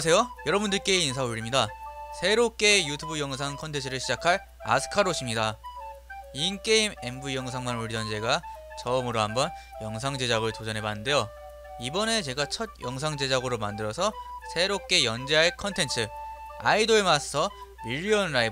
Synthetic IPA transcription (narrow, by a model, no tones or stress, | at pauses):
s̬ʰe̞jojʌɾʌbundɯɭk͈e̞insʰauɭːimɲidasʰe̞ɾok͈e̞jutʰubujʌŋs̬ʰaŋkʰʌntʰe̞nt͡ɕʰɯɾɯɭɕʰid͡ʑakʰaɭ | a̰sʰɯ̥kʰaɾoɕʰimɲida | ink͈e̞ime̞mbujʌŋsʰaŋmanuɭːid͡ʑʌnd͡ʑe̞ɡat͡ɕʌɯmɯɾoɦambʌn | jʌŋsʰaŋd͡ʑe̞d͡ʑaɡɯɭtod͡ʑʌnɦe̞banːɯnde̞jo | ibʌne̞t͡ɕe̞ɡat͡ɕʰʌd̚jʌŋsʰaŋd͡ʑe̞d͡ʑaɡɯɾomandɯɾʌsʰʌsʰe̞ɾop̚k͈e̞jʌnd͡ʑeɦaɭkʰʌntʰe̞nt͡ɕʰɯ | a̰idoɭmas͈ʰʌ | miʎːiʌnɾai